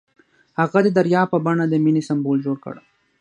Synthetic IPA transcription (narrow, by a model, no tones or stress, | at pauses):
haɣad̪əd̪aɾjɑːpəbaɳad̪əminisambold͡ʒoːɽkə̰ɽa